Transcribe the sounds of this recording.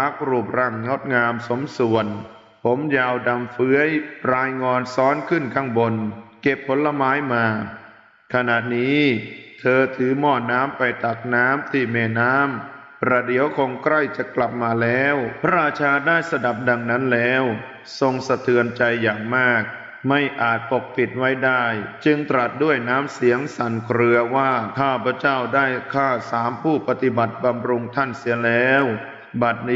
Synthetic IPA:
pa˦˥˩k̚ɾuː˧˩p̚ɾa˧˩ŋŋɔ˦˥t̪̚ŋaː˧mso˩˦msu˨˩ən | pʰo˩˦mjaː˧wda˧mfɯ˦˥əjpɾaː˧jŋɔː˧nsɔː˦˥nkʰɯ˥˩nkʰaː˧˥˩ŋbo˧nke˨˩pʰːo˩˦nla˧maː˦˥jmaː˧ | kʰa˧na˨˩t̪̚niː˦˥t̪ʰɤː˧t̪ʰɯː˩˦mɔː˧˥˩t̪̚naː˦˥mpa˧jt̪a˨˩k̚naː˦˥mt̪ʰiː˥˩mɛː˧˩naː˦˥m | pɾa˧di˨˦əwkʰo˧ŋkɾa˥˩jt͡ɕa˨˩kla˨˩p̚maː˧lɛː˦˥wpʰa˦˥ɾaː˧t͡ɕʰaː˧daː˥˩jsa˧da˨˩p̚da˧ŋna˦˥nlɛː˦˥w | so˧ŋsa˧t̪ʰɯ˧ənt͡ɕa˧jːaː˨˩ŋmaː˥˩k̚ | ma˥˩jʔaː˨˩t̪̚t̪p̪o˨˩k̚pi˨˩t̪̚wa˦˥jdaː˥˩jt͡ɕɯ˧ŋt̪ɾa˨˩t̪̚du˥˩əjnaː˦˥msi˨˩˦əŋsa˨˩nkʰɾɯ˧ɐwaː˥˩kʰaː˥˩pʰɾa˧˥˩t͡ɕa˥˩wdaː˥˩jkʰaː˥˩saː˩˦mpʰuː˥˩pa˧t̪i˨˩ba˨˩t̪̚ba˧mɾu˧ŋt̪ʰa˥˩nsi˩˦əlɛː˦˥w | ba˨˩t̪̚nː˦

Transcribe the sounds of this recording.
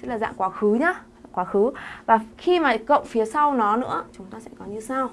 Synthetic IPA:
ɛ˧˥laː˨˩za̰ː˧˨ŋkwaː˨˦xɨ˨˦ɲaː˨˦˧ | kwaː˨˦xɨ˨˦vaː˨˩xi˧maː˨˩kə̰˧˨wŋ͡mfi˨˦əsa˧wnɔ˨˦nɨ̰˧˥ət͡ɕʊ˨˦ŋ͡mt̪aː˧sɛ̰˧˥kɔ˨˦ɲɨ˧saː˧w

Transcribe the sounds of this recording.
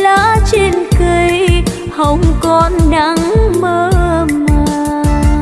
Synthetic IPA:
laː˧˥t͡ɕe˧nkɨ˧˩j | hə˨˧˦wŋ͡mkɔ˧nɗa˧˦ŋməː˧˦maː˧˩˨

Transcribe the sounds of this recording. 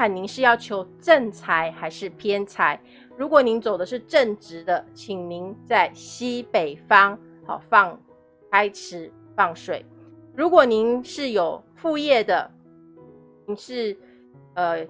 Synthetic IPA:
a˨˩ni˧˥ŋʂɻ̩˥˧jɑ˥˩ʊt͡ɕʰjo˧˥ʊʈ͡ʂə˥˨nt͡sʰa˧˥ɪxa˧˥ɪʂɻ̩˥˩pʰjɛ˥nt͡sʰa˧˥ɪ | ɻu˧˥kwɔ˨˩ni˧˥ŋt͡so˨˩ʊd̪ə˦ʂ̬ɻ̩˥˧ʈ͡ʂə˥˩ŋʈ͡ʂɻ̩˧˥d̪ə˧t͡ɕʰi˨˩ŋni˧˦ŋt͡sa˥˩ɪɕi˥pe˨˩ɪfɑ˥ŋ | hɑ̰˨˩fɑ˥˧ŋ | kʰa˥ɪʈ͡ʂʰɻ̩˧˥˦ | fɑ˥˩ŋʂwe˨˩˦ɪɻu˧˥kwɔ˨˩ni˧˥ŋʂɻ̩˥˩jo˨˩ʊfu˥˧jɛ˥˩d̪ə˩ | ni˧˥ŋʂɻ̩˥˩ | ə˧

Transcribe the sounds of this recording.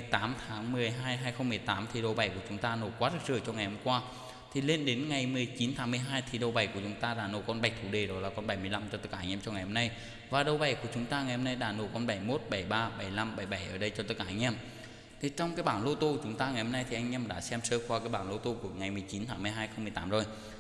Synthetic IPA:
jt̪aː˨˦mt̪ʰaː˨˦ŋmɨ˨˩əjɦaː˧jɦaː˧jxə˧wŋ͡mmɨ˨˩əjt̪aː˨˦mt̪ʰi˨˩ɗə˨˩wɓa˨˩jku˧˩ət͡ɕʊ˨˦ŋ͡mt̪aː˧no˧˩kwaː˦˥t̚zəː˧˩jt͡ɕɔ˧ŋa˨˩jhə˧mŋ͡mkwaː˧ | t̪ʰi˨˩le˧nɗe˨˦nŋa˨˩jmɨ˨˩əjt͡ɕi˨˦nt̪ʰaː˨˦ŋmɨ˨˧əjɦaː˧jt̪ʰi˨˩ɗə˨˩wɓa˨˧˩jku˧˩t͡ɕʊ˨˦ŋ͡mt̪aː˧ɗaː˧˩no̰˨˧˩kɔ˧nɓa˨˩jk̚t̪ʰu˧˩˦ɗe˨˩ɗɔ˨˦laː˨˩kɔ˧nɓa˧˩jmɨ˧əjla˧mt͡ɕɔ˧t̪ə˦˥ka̰ː˧ŋʔɛ˧mt͡ɕɔ˧ŋa˨˩jho˧mna˧j | vaː˨˩ɗə˨˩wɓa˨˩jku˧˩ət͡ɕʊ˨˦ŋ͡mt̪aː˧ŋa˨˩jho˧mna˧jɗa̰ː˧˥no˧˩kɔ˧nɓa˧˩jmo˦˥t̚ɓa˧˩jɓaː˧ɓa˧˩jla˧mɓa˧˩jɓa˧˩jʔəː˧˩ɗə˧jt͡ɕɔ˧t̪ə˦˥t̚kaː˧ʔa˧jŋʔɛ˧m | t̪ʰi˨˩t͡ɕɔ˧wŋ͡mkaː˨˦jɓaː˧˩nlo˧t̪o˧t͡ɕʊ˨˦ŋ͡mt̪aː˧ŋa˨˩jho˧mna˧jt̪ʰi˨ʔjŋ̟ʔɛ˧mɗa̰ː˧˥sɛ˧msəː˧kwaː˧kaː˨˦jɓaː˧˩nlo˧t̪o˧ku˧˩əŋa˨˩jmɨ˨˩əjt͡ɕi˨˦nt̪ʰaː˨˦ŋmɨ˨˩əjɦaː˧jxə˧wŋ͡mmɨ˨˩əjt̪aː˨˦mzo˨˩j

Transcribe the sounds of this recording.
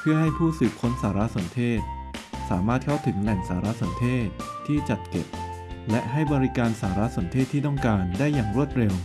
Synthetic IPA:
pʰɯ˥˩ɐɦa˥˩jpʰuː˥˩sɯː˨˩k̚ʰːo˦˥nsaː˩˦ɾa˦˥ʔso˩˦nt̪ʰeː˥˩t̪̚saː˩˦maː˥˩t̪̚kʰa˥˩wt̪ʰɯ˩˦ŋlɛ˨˩ŋsaː˩˦ɾa˦˥ʔso˩˦nt̪ʰeː˥˩t̪̚ʰːiː˥˩t͡ɕa˨˩t̪̚ke˨˩p̚lɛ˦˥ʔɦa˥˩jbɔː˧ɾi˦˥kaː˧nsaː˩˦ɾa˦˥ʔso˩˦nt̪ʰeː˥˩t̪ʰːiː˥˩t̪ɔ˥˩ŋkaː˧ndaː˥˩jːaː˨˩ŋɾu˥˩ət̪̚ɾe˧w

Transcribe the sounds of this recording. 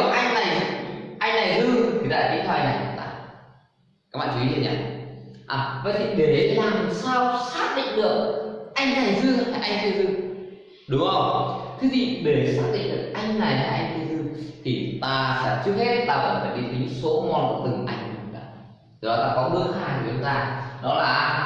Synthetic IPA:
ʔa˧jŋna˨˩jʔa˧jŋ̟na˨˩jzɨ˧t̪ʰi˨t̪a̰ː˧˨˩ki˧˦˥t̪ʰːa˧ŋna˨˩jt̪ɨ̰˧˦t̪a̰ː˧˩ | ka˦˥k̚ɓa̰ː˧˨˧t͡ɕu˧ḭ˨˦˥i˧˩ɲa̰ː˧˩ʔaː˨˩və̰˧˥t̪ʰi˨˩ɗe˨˩ɗe˨˦t̪ʰnaː˧˩t̪ʰi˨˩saː˧wsaː˦˥k̚ɗḭ˧˨ŋ̟ɗɨ˨˩ək̚ʔa˧jŋ̟na˨˩jzɨ˧ɨ˧˦˥faː˧˩ʔa˧jŋt̪i˧əzɨ˧ | ɗʊ˨˦ŋ͡mzə˧˩wŋ͡mt̪ʰɨ˨˦zḭ˧˨ɗe˨˧˩saː˦˥k̚ɗḭ˧˨ŋ̟ɗɨ˨˩ək̚ʔa˧jŋ̟laː˨˩jt̪aː˧˩ʔa˧ŋ̟t̪ʰi˧əzɨ˧t̪ʰi˨˩t̪aː˧sɛ̰˧˥t͡ɕɨ˦˥ək̚he˦˥t̚t̪aː˧˩ɔ˧˩e˨˩fʰaː˧˩ɗi˧t̪ʰə˨˦ɲɨ̰˧˥ŋso˨˦mɔ˨˧˩nkṵ˧˩t̪ɨ˨˩ŋʔa˧jŋ̟ɨ˧˩˨ɗaː˨˧˩ | ɨ˨˩ɗɔ˨˦t̪aː˧kɔ˨˦ɗɨ˧əxaː˧˩jɨ˨˩˨t͡ɕʊ˨˦ŋ͡mt̪aː˧ɗɔ˨˦laː˨˩

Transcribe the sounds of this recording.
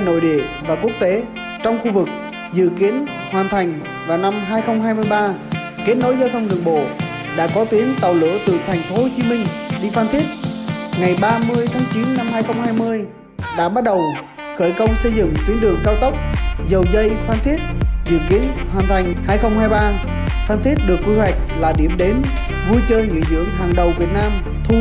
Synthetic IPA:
no̰˧˨jɗḭ˧˨əvaː˨˩ku˦˥ək̚t̪e˨˦ | t͡ɕɔ˧wŋ͡mxu˧vɨ˨˩k̚ | zɨ̰˧˨ki˨˦ən | hwaː˨˩nt̪ʰa˨˩jŋ̟ | vaː˨˩wna˧mɦaː˧jxə˧wŋ͡mɦaː˧jmɨ˧əjɓaː˧ | ke˦˥t̚no˨˦jzəː˧fʰə˧nɗɨ̰˨˩əŋɓo̰˧˨ | ɗa̰ː˧˥kɔ˨˦t̪i˨˦əŋt̪a˨˩wlo̰˧˥t̪ɨ̰˧˨˩t̪ʰɛ˨˩jŋ̟fo˨˦ho˧t͡ɕi˨˦mï˧ŋ̟ɗi˧faː˧nt̪ʰi˦˥ət̚ŋa˨˩jɓaː˧mɨ˧əjt̪ʰaː˨˦ŋt͡ɕi˨˦nːa˧mhaː˧jxə˧wŋ͡mhɦaː˧jmɨ˧əj | ɗa̰ː˧˥ɓa˦˥t̚ɗə˨˩w | xəː˧˩jkə˧wŋ͡msə˧jzɨ̰˧˨ŋt̪i˨˦ɗɨ˨˩əŋkaː˧wt̪ə˦˥wk͡p̚zə˨˩wzə˧jfaː˧nt̪ʰi˦˥ət̚zɨ̰˧˩əŋkḭ˨˧˥ənhwaː˨˩nt̪ʰa˨˩jŋ̟haː˧jxə˧wŋ͡mhaː˧jɓaː˧ | faː˧nt̪ʰi˦˥t̚ɗɨ˨˩əkːwi˧hwa˨˩jk̟̚laː˨˩ɗi˧˩əmɗe˨˦n | vu˧jt͡ɕəː˧jŋḭ˧˥zɨ̰˧˩əŋɦaː˨˩ŋɗə˨˩wvi˨˩ət̚naː˧m | t̪ʰu˧

